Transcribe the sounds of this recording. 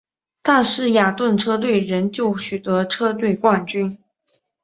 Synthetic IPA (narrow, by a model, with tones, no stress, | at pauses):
t̪a˥˧nʂɻ̩˥˩ja˨˩t̪wə˥˩nʈ͡ʂʰɤ˥t̪̬we˥˩ɪɻə˧˥nt͡ɕjo˥˩ʊɕy˨˩t̪ɤ˧˥ʈ͡ʂʰɤ˥t̪we˥˧ɪkwa˥˧nt͡ɕy˥n